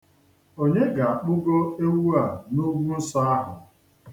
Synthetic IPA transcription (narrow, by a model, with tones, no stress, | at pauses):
o˦ɲe˦ɡa˨a˨k͡pʊ˦ɡo˦e˦wu˦a˨nu˦ɡʷu˦n̩˦sɔ˦a˦ɦʊ̰˨